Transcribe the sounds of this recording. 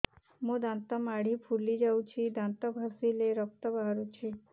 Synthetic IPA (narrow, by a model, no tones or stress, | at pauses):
mõd̪ãnt̪amaɽipʰulid͡ʒawt͡ʃʰid̪ãnt̪əbʱasileɾɔk̚t̪əbʱaɾut͡ʃʰi